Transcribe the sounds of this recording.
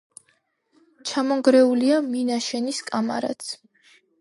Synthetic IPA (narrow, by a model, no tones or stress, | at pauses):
t͡ʃʰamɔŋɡɾɛuliaminaʃɛniskʼama̰ɾa̰t̪sʰ